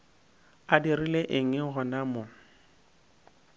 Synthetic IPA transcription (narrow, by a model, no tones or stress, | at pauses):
adirileʔɪŋ̩ɪɣʊnamʊ